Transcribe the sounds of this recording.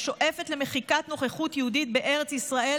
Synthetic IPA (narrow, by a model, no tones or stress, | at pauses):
ʃo̞ʔefetle̞me̞χikat̪no̞χeχutjehudit̪̚beʔe̞ʁet͡sisʁaʔe